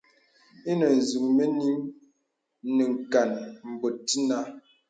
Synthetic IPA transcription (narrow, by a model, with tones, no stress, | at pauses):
i˦nə˨n̩˨zi˨ŋmə˦ni˦ŋ | nə˨ŋ̩˨ka˨nm̩˨bo˨ti˦na˦